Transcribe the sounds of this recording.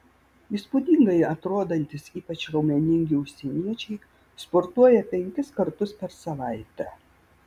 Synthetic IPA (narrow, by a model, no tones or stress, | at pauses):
iːspud̪ʲɪŋɡɐɪɐt̪ɾoːd̪ɐnʲt̪ʲɪsiːpɐt͡ʃɾɐʊmʲɛnʲɪŋʲɡʲɪʊʃʲsʲɛnʲiɛt͡ʃʲɛɪ | spɔɾt̪uɔjɛpʲɛŋʲkʲɪskɐɾt̪ʊspʲɛɾsɐʋɐɪt̪ʲɛ